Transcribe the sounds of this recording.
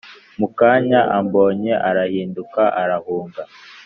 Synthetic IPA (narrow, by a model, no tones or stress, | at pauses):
mukaɲaʔambo̞ːɲe̞ʔaɾahiːndukaʔaɾahuːŋɡa